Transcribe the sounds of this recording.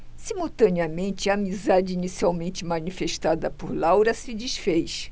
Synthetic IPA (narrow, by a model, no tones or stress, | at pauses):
simuwt̪ɐ̃niɐmẽnt͡ʃɪɐːmizad͡ʒɪinisiawmẽnt͡ʃɪmɐnifeʃt̪ad̪ɐpoɾlawɾɐsɪd͡ʒiʃfejʃ